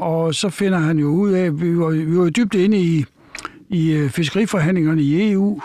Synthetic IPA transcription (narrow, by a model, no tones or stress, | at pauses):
ɒ̽sɒ̽fe̝nɐɦænjo̝uð̰ˠɛʋiʋʋiɑjo̝d̥yb̥̚d̥e̝nəi | ifes̬ɡ̥ʁḭːfɒɦæn̰leŋɐnəie̝ṵː